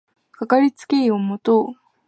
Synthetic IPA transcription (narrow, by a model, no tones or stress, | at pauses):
kakaɾʲit͡sɨ̥keiomot̪oː